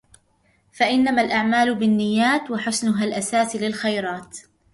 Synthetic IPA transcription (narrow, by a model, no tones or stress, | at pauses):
faʔɪnːamalʔaʕmaːlʊbɪnːɪjːaːt̪waħʊsnʊɦalʔasaːsilɪlxajɾˤɑːt̪